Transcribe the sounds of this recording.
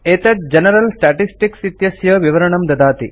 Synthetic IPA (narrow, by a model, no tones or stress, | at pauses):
et̪ɐt̪̚d͡ʒɐnɐɾɐlsʈaːʈisʈiksit̪jɐsjɐʋiʋɐɾɐɳɐmd̪ɐd̪aːt̪i